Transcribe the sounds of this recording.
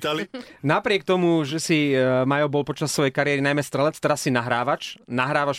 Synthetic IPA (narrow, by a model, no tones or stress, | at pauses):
t̪alnapɾɪɛk̚t̪ɔmuʒɛsimajɔbɔlpɔt͡ʃasːʋɔjɛjkaɾɪɛɾinajmɛst̪ɾɛlɛt͡st̪ɛɾasːinaɦɾaːʋat͡ʃnaɦɾaːʋaʃ